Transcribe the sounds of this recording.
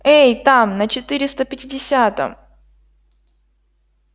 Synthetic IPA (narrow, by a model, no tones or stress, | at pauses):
ejt̪amnət͡ɕɪt̪ɨɾʲɪst̪əpʲɪtʲɪdʲɪsʲat̪ə̰m